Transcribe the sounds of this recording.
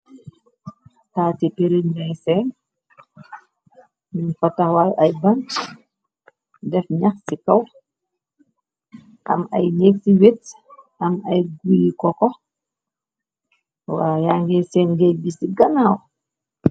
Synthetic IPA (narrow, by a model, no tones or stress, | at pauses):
tatipeɾinnajsɛn | minfɔtːahwajʔajbaŋk | dɛfɲaxsikaw | ʔa̰ma̰jɲek̚siwet | amajɡujikɔkɔ | wajaŋɡɛsɛːnɡɛjbisiɡanaw